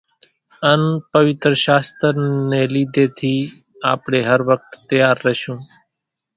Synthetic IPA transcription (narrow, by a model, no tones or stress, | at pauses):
ənpəʋɪt̪ɾəʃaːst̪ɾneːliːd̪ʱeːt̪ʰiː | aːpɳeːɦəɾʋək̚t̪ːəjaːɾːəʃũː